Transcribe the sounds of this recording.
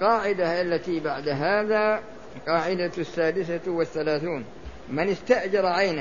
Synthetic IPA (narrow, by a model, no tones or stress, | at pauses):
qɑːʕɪd̪aʔalːat̪ibaʕd̪ɦaːðaː | qɑːʕɪd̪asːaːd̪ɪsawɪθːalaːθuːn | mɪnɪst̪aʔd͡ʒɑɾˤʕaːna